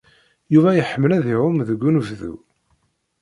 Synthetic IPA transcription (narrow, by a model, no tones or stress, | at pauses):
juvæjəħəmːəlæðiɾʊmðəɡːunvðṵ